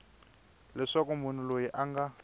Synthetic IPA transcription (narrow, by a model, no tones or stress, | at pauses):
lɛʂakɔmun̤ulojiʔaŋɡa